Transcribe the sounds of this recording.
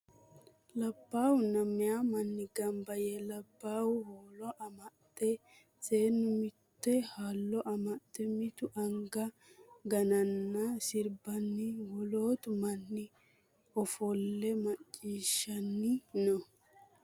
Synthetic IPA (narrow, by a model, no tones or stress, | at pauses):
lɐbːaːwʊnɐmːɪjamɐnːɪɡɐmbɐjɛlɐbːaːwʊhoːlɔʔɐmɐt̪ʼːɛ | t͡seːnːʊmɪt̪ːɛhaːlːɔʔɐmɐt̪ʼːɛmɪt̪ʊʔɐŋɡɐ | ɡɐnɐnːɐsɪɾbɐnːɪwɔloːt̪ʊmɐnːɪ | ɔfɔlːɛmɐt͡ʃʼːiːʃːɐnːɪnɔ